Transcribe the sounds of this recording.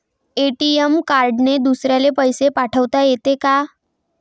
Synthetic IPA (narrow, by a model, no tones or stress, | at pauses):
eʈiemkaɾɖned̪usɾjalepəjsepaʈʰəʋt̪ajet̪eka